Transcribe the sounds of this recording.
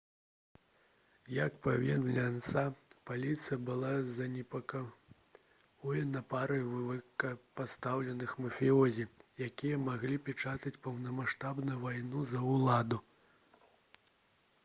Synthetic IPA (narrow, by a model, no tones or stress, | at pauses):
jɐkpavʲinlʲant̪sapalʲit̪sɨjɐbɨlˠazɐnʲɛpɐka | vɔjɐnɐpaɾɨjvvɨkɐpast̪awlʲɛnɨxmɐfʲiɔzʲijakʲijɐmaɣlʲipʲɛt͡ʂat̪ɐt͡sʲpɐwnɐmaʂt̪abnujuvajnuzɐwlˠad̪u